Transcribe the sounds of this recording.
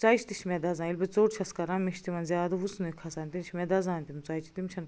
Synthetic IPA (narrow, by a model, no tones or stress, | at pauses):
t͡sɐjt͡ʃʰt̪iʃʰmʲɛd̪ɐzãːilʲbet͡soːʈt͡ʃʰɐskɐɾamiʃt̪iʋɐnzʲjaːd̪ɐʋusnuikʰɐsɐnt̪int͡ʃʰmʲɛd̪ɐzãːnt̪int͡sait͡ʃʰi̥t̪imt͡ʃʰɐn